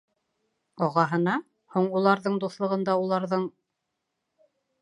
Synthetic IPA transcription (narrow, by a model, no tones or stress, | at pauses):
ɒʁɑɦɤ̆nɑ | huɴulˠɑɾðɤɴd̪uθlˠɤ̆ʁɤ̆nd̪ɑulˠɑɾðɤɴ